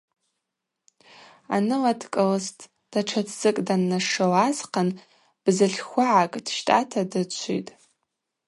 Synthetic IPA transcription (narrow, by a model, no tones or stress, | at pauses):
a̰nɨlatʰkʼɨlɨstʼ | d̥aʈ͡ʂʷʰatʰzɨkʼdanːaʂowazqʰan | b̥zɨɮʲxʷaʕakʼd̥ʃtʼa̰tʰadɨt͡ʃʷʰḭtʼ